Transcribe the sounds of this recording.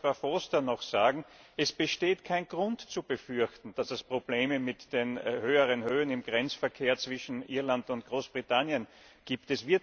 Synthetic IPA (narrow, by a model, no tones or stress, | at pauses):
afostɐnɔxsaːɡŋ̩ʔɛsb̥əʃteːtkʰaɪnɡ̥ʁʊntt͡sub̥əfʏɐçtn̩d̥asɛspʁ̥ob̥leːməmɪtd̥enhøːəʁənhøːənɪmɡ̥ʁɛnt͡sfɐkʰeːɐt͡sv̥ɪʃn̩ʔiɐlantʊntɡ̥ʁoːsb̥ʁitʰanjən | ɡ̥iːptɛsv̥ɪɐt